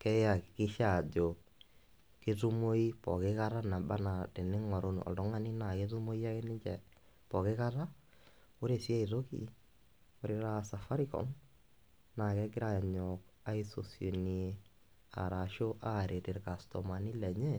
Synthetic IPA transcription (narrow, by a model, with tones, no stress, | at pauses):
kɛ˦ja˨kkɪ˦ʃa˨d͡ʒo˨ | kɪ˦tu˦mo˦i˦pɔ˨kɪ˦ka˦ɾa˦na˨ba˦na˨te˨nɪ˦ŋɔ˨ɾo˦nɔ̰˨ldɔ˦ŋa˦ni˦na˨ke˦tu˦mo˦i˦a˦ke˦nɪ˦t͡ʃɛ˨ | pɔ˨kɪ˦ka˦ta˦ | o˦ɾe˨si˦a˦i˨to˦kḭ˦ | o˨˦ɾe˦ɾa˦sa˨fa˦ɾi˦kɔ̰˦m | na˨kɛ˦kɪ˦ɾa˨ɲɔ˨ka˦i˦so̰˨sjo˨ni˨e˨ | a̰˨ɾa˨ʃo˦ʔa˦˨ɾe˨te˨ɾka˨stɔ˨ma˨ni˦lɛ˨ɲɛ˦